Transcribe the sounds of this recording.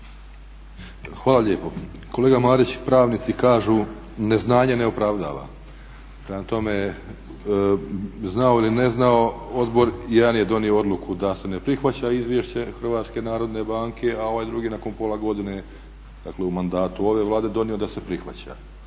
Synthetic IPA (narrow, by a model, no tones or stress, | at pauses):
xʋaːlˠaʎeːpo | ko̞le̞ːɡamaːɾit͡ɕpɾaːʋniːt̪sikaːʒu | ne̞znaːɲeneopɾaʋd̪a̰ːʋa̰ | pɾemat̪o̞me | znaoiline̞znao̞o̞d̪bo̞ɾjɛd̪anjed̪o̞nioo̞d̪lˠukʰud̪ase̞ne̞pɾixʋat͡ɕaizʋʲjeʃt͡ɕe̞xr̩ʋaːt̪ske̞naːɾo̞d̪ne̞baːŋkʰe̞ao̞ʋajd̪ɾuɡinako̞npo̞lˠaɡo̞d̪ine | d̪̥akle̞umand̪aːt̪uo̞ʋe̞ʋlˠaːd̪ed̪o̞nijo̞d̪ase̞pɾixʋa̰t͡ɕa̰